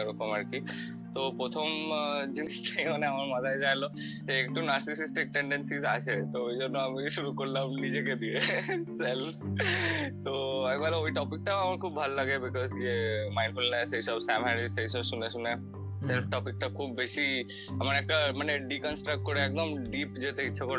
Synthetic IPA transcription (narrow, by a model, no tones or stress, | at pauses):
ɾokɔməɾki | t̪opɾot̪ʰɔmd͡ʒinisʈ̪ʰaĩməneaməɾmɐt̪ʰaed͡ʒajlɔseːkʈonaɾsisisʈik̚ʈẽɳɖensizat͡ʃʰet̪ooid͡ʒoɾnoamiʃuɾukoɾlamnid͡ʒeked̪ieself | t̪oajmat̪aoiʈɔpik̚ʈaɐməɾkʰuːb̚bʱɐlːɐɡebɪkɔzjemãɪnfulneseisəbsɛ̃mɦɛ̃nɖiseisəbsunesune | selfʰʈɔpik̚ʈakʰuːbːesi | ɐməɾekamɐneɖikə̃nsʈɾək̚ʈ̚kɔɾeek̚d̪əmɖiːpd͡ʒet̪eitːʃʰakɔɾ